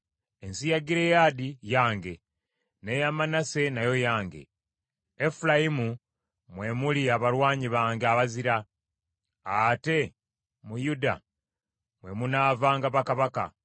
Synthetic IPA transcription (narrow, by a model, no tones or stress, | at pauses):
e̞nsijaɡiɾe̞jadijaːŋɡe̞ | ne̞jamanase̞najo̞jaːŋɡe̞̰ | efulajimu | mwe̞muliaβaɾwaːɲiβaːŋɡaβaziɾa | ate̞ | mujuda̰ | mwe̞munavaːŋɡaβakaβaka̰